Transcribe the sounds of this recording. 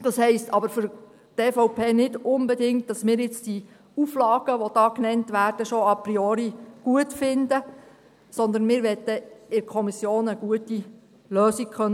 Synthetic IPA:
d̥ɑshɛɪstʰɑbəɾfʏɾ | teːfɔʊpʰeːnɪdʊmbɛdɪŋt̚d̥ɑsmɪːɾjɪt͡sd̥i | uflɑːɡ̥əʋod̥ɑːknɛntʋæːɾd̥əʃɔɑpɾiɔːɾiɡ̥uətfɪnd̪ə | sɔnd̪ənmɪːɾʋɛt̪ːəɪɾkʰɔmisjoːnəɡ̥uəti | løːsik̚kχœn

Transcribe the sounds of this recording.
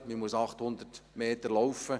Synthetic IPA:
mimuəsɑχt̪hʊnd̪ərtmeːt̪əɾlɔwfə

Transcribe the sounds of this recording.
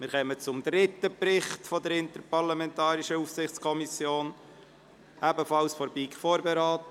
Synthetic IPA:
mɪɾχɛmət͡sʊmd̪ɾɪtːəpɾɪχtfɔdəɾɪntəɾpɑʁlamɛntɑːɾiʃəufsɪχt͡skʰɔmisjoːn | ʔæbəfɑlsfɔɾbiːkfoːɾbeɾɑːtə

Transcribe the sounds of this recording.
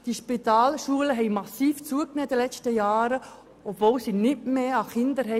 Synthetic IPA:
d̥iʃpit̪ɑːlʃuələɦɛɪmɑsiːft͡suəknɛːd̥̪əlɛt͡ʃtəjɑːɾə | ɔbvoːwsiːnɪtmeːɑχɪnd̪əɾɦɛ

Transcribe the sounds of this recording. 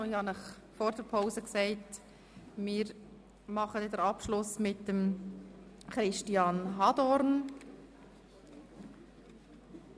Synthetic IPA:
ɪhɑnəχ | fɔːɾdəɾpʰaʊzəksɛɪt | mɪːɾ | mɑχədɛdəɾɑpʃlʊsmɪtdəm | χɾɪʃtiɑnɦɑd̥ɔɾn

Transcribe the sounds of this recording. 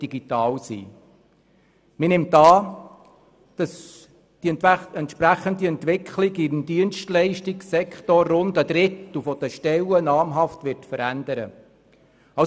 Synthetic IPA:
d̥iɡit̪ɑːlsḭː | mɪnɪmtɑː | d̥ɑs | d̥iɛntʃpɾæχəndiɛnt̪ʋɪkʰχlɪɡindiənstlɛɪʃtɪksɛkχtɔrːʊnd̪əd̥̪ɾɪt̪lufɔd̥əʃtɛlənɑːmɦɑft̪ʋɪɾtfəɾændəɾə̰ | ɑ

